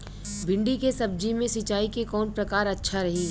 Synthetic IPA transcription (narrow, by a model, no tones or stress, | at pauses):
bɪ̃ɳɖikesɐb̚d͡ʒimẽsɪt͡ʃaːikekɔːnpɾɐkaːɾɐtːʃʰaɾɐɦiː